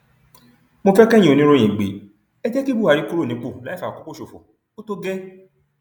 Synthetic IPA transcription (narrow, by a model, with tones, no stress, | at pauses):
mo˧fɛ˦kɛ̃˦ĩ˦o˨˧nĩ˨˦ɾo˦j̃ĩ˨ɡ͡bḛ˨˦ | ɛ˦d͡ʒɛ˦ki˦bu˦˨a˨˧ɾi˦ku˦ɾo˦˨ĩ˨˦k͡po˦˨la˨˦fa˨a˨ko˦k͡po˦˨ʃo˨fo̰˨ | o˦to˦ɡɛ˦